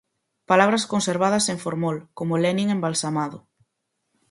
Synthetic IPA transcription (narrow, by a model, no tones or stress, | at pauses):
palaβ̞ɾɐskonseɾβ̞að̞ɐseɱfoɾmolkomolɛnĩŋembalsamaðʊ